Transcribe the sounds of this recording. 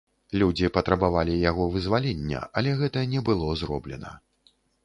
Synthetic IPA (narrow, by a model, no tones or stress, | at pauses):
lʲud͡zʲipɐt̪ɾɐbavalʲijaɣɔvɨzvalʲɛnʲːɛ̰ʔɐlʲɛɣɛt̪ɐnʲɛbɨlˠɔzrɔblʲɛ̰nɐ̰